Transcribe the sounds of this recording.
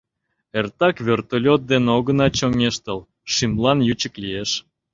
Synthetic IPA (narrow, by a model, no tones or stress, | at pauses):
ert̪ɑkβʲert̪olʲot̪̚d̪enoɣənɑt͡ɕoŋeʃt̪ə̆l | ʃimlɑnjyt͡ɕə̆klijeʃ